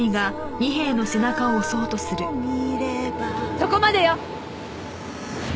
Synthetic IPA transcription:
iɡaɲ̟iɦẽ̞ːnːo̞se̞nakaoso̞ːt̪o̞sɨɾɯ̟ɾebasoko̞mad̪e̞jo

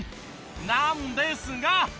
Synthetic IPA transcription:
namundejsiŋɡa

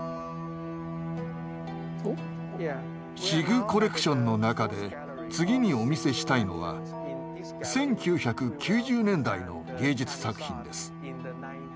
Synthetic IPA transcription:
ɕiɡɯ̟ko̞ɾe̞kɯ̟̥ɕõ̞nːo̞nakad̪e̞ | t͡sɨɡʲiɲ̟io̞mʲise̞ɕi̥t̪aino̞̰βa̰ | sẽ̞ŋkʲɨːçakɯ̟kʲɨːʑɨːnẽ̞nd̪aino̞̰ɡʲe̞ːd͡ʑit͡sɨ̥sakɯ̟̥çḭ̃nd̪e̞sɨ̥

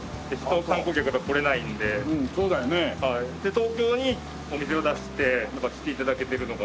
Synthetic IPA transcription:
d̪eɕi̥t̪okãŋko̞kʲakɯ̟ɡako̞ɾe̞naĩnd̪e̞ɯ̟̃ːso̞ːd̪ajo̞ne̞haid̪e̞t̪o̞ːkʲo̞ːɲ̟i | o̞mʲis̬e̞o̞d̪aɕi̥t̪e̞nãŋkakʲi̥t̪ːe̞it̪ad̪ake̞t̪eɾɯ̟no̞ɡa

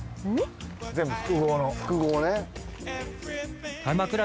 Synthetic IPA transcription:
d͡zẽmbɯ̟ɸɯ̥kɯ̟ɡoːnoɸkɯɡoːne | hamakɯ̟ɾa

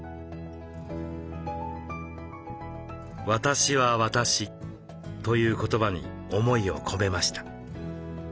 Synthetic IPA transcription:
βat̪aɕiβaβat̪aɕi | t̪o̞jɯ̟ːko̞t̪o̞baɲ̟ḭ | o̞mo̞io̞̰kʰo̞me̞maɕi̥t̪ḁ

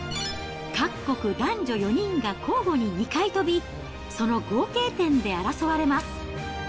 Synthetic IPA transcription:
kakːo̞kɯ̟d̪ãɲ̟d͡ʑo̞jo̞ɲ̟ĩŋɡakʰo̞ːɡo̞ɲ̟iɲ̟ikait̪o̞bʲi | so̞no̞ɡo̞ːke̞ːt̪ẽ̞nd̪e̞aɾasoβaɾe̞masɨ̥

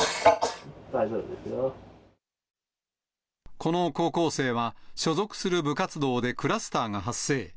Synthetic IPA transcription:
d̪aid͡ʒoːbɯd̪esjo | kʰo̞no̞ko̞ːko̞ːse̞ːβaɕo̞zo̞kɯ̟̥sɨɾɯ̟bɯ̟kat͡sɨd̪o̞ːd̪e̞kɯ̟ɾasɨ̥t̪aːŋaɦasːe̞ː

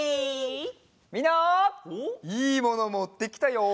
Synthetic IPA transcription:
mʲinːa | iːmo̞no̞mot̪ːekʲi̥t̪ajo

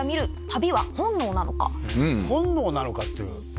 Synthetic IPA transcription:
mʲiɾɯ̟t̪abʲiβahõ̞nːo̞ːnano̞̰ka̰ɯ̃hõ̞nːo̞ːnano̞kat̪ːeɯ̟̰

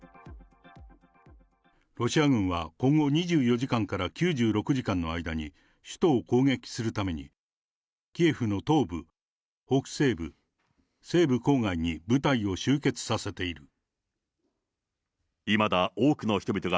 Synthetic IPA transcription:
ɾo̞ɕiaɡɯ̟̃ɰ̃βakõ̞ŋɡo̞ɲ̟iʑɨːjo̞ʑikãŋkaɾakʲɨːʑɨːɾo̞kɯ̟ʑikãnːo̞aid̪aɲ̟i | ɕɨ̥t̪o̞ːko̞ːŋe̞kʲi̥sɨɾɯ̟t̪ame̞ɲ̟ḭ | kʲieɸɯ̟no̞t̪o̞ːbɯ̟ | ho̞kɯ̥se̞ːbɯ | se̞ːbɯ̟ko̞ːŋaiɲ̟ibɯ̟t̪aio̞ɕɨːke̞t͡sɨ̥sase̞t̪e̞iɾɯ̟ | imad̪aoːkɯ̟no̞çi̥t̪o̞bʲit̪o̞ɡa

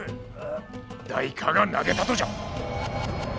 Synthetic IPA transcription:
d̪aikʰaŋanːa̰ɡet̪at̪od͡ʑa

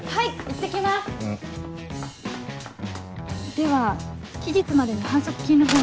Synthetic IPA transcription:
haiit̪ːekʲimas | d̪̥e̞βakʲid͡ʑit͡sɨmad̪e̞ɲihãɰ̃so̞kɯ̟̥kʲĩnːɯɡo

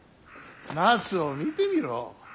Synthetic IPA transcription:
nasɨomit̪emiɾo̰

